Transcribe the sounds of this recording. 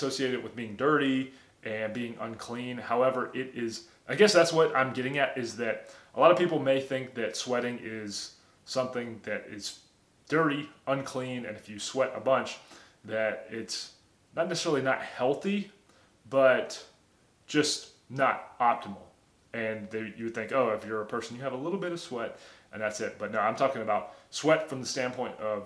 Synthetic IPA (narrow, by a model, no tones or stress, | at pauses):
soʊsieɪɾɨd̚wɨðbiɪ̃ŋdɜ˞ɾi | ʔɨ̃nbiɪ̃ŋʔə̰̃nkʰl̥ĩnhaʊɛvə˞ʔɪɾɪz | ʔaɪɡɛsðætswʌɾã̰ɪ̃mɡɛɾɪ̃ŋɨɾɪzðɨɾəlɑɾʌv̥pipl̩ˠmeɪθɪ̃ŋk̚ðɨtswɛɾɪ̃ŋɪz̥ | sʌ̃mθɪ̃ŋðɨɾɪ̰z | d̥ɜ˞ɾiʔə̃nkʰl̥ĩnɨ̰̃nɨfjɨswɛɾə̰bʌ̃nt͡ʃ | ðɨɾɪts | nətⁿnɛsɨsɛɹl̩ˠinət̚hɛlˠθi | b̥ʌt̚ | d̥ʒ̥ʌst | nəɾɑp̚tʰəml̩ˠ | ɨ̃nðeɪjɨd̪̚θɪ̃ŋkoʊɨfjə˞ɨpʰɜ˞sn̩jɨːvəlɪɾl̩ˠbɪɾʌv̥swɛt̚ʔɨ̃nðætsɪt̚b̥ʌt̚ⁿnoʊãɪ̃mtʰɔkɪ̃ŋɨbaʊt̚swɛtfɹʌ̃mðəstæ̃npʰɔ̃ɪ̃ntʌv̥